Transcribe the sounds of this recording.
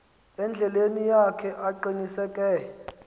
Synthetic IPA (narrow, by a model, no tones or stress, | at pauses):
ɛnd͡ɮʱɛlenijakʰɛʔaǃinisɛkʼɛ